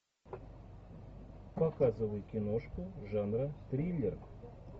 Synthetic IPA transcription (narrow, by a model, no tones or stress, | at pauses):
pakazɨvəj̪kʲɪnoʂkʊʐanɾət̪ɾʲilʲɪr